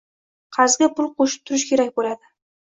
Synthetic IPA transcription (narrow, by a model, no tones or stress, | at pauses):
qʰɑzɡʲapʊlˠqʰoʃɪ̥p̚t̪ʰʊɾɪʃkʲʰe̞ɾakʲbolad̪ɪ